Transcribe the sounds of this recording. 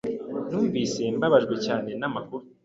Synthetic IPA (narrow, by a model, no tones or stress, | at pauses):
nuːɱviːse̞mbaβaʒɡwe̞caːne̞namakuɾu